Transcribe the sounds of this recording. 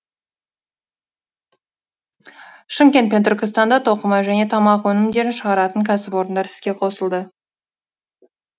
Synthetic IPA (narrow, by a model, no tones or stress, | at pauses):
ʃɪmkʲe̞nt̪̚pe̞nt̪ʰʏɾʲkʲɪst̪ɑnd̪ɑt̪ʰo̞qəmɑʒæne̞t̪ʰɑmɑqwɵnɪmd̪e̞ɾɪnʃəʁɑɾɑt̪əŋkʲʰæsɪpo̞ɾənd̪ɑɾt̪ɪ̥z̥kʲe̞qʰo̞səlˠd̪ə